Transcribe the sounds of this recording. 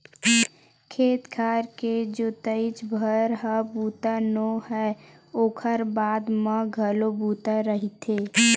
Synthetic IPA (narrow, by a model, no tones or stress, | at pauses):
kʰeːt̪kʰaːɾked͡ʒot̪əɪt͡ʃbʱəɾɦəbuːt̪anohɛ | oːkʰəɾbaːd̪məɡʱəlobuːt̪aɾəɦit̪ʰe